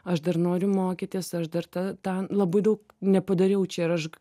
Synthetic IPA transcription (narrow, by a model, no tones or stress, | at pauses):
ɐʃd̪ɐrnoːɾʲʊmoːkʲɪt̪ʲɪsɐʃd̪ɐrt̪ɐt̪ɐnlˠɐbɐɪd̪ɐʊk | nʲɛpɐd̪ɐɾʲɛʊt͡ʃʲɛɪɾɐʃ